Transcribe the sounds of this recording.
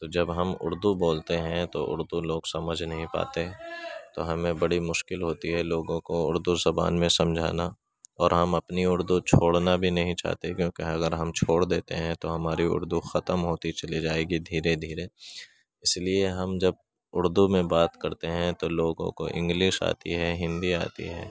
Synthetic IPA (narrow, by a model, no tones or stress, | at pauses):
t̪oːd͡ʒɐbɦɐmʊ̰ɾd̪uboːlt̪eɦɛ̃t̪oʔʊ̰ɾd̪uloːɡsɐməd͡ʒʱnɐɦĩpa̰ːt̪eɦɛ̃t̪oɦɐmẽbɐɽimʊʃkɪlɦoːt̪iɦɛloːɡõkoʊɾd̪uzɐba̰ːnmẽsɐ̃md͡ʒʱa̰ːna | ɔːɾɦɐmɐpniʊɾd̪ut͡ʃʰoːɽnabʱinɐɦĩt͡ʃa̰ːɦt̪ekjõːkeɐɡəɾɦɐmt͡ʃʰoːɽd̪eːt̪eɦɛ̃t̪oɦɐmaːɾiʊ̰ɾd̪uxɐt̪əmɦoːt̪it͡ʃɐlid͡ʒaːeːɡid̪ʱiːɾed̪ʱiːɾe | ɪslieɦɐmd͡ʒɐb̚ | ʊɾd̪umẽbaːt̪kɐɾt̪eɦɛ̃t̪oloːɡõ̰ko̰ʔɪ̰̃ŋɡlɪʃa̰ːt̪ḭɦɛɦɪ̃nd̪ia̰ːt̪ḭɦɛ̰ː